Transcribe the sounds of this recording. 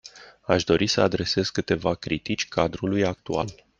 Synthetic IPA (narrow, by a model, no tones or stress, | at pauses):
aʃd̪o̞ɾʔisəad̪ɾe̞se̞zkɨt̪e̞vakɾit̪it͡ʃʲkʰad̪ɾulujak̚t̪ua̰l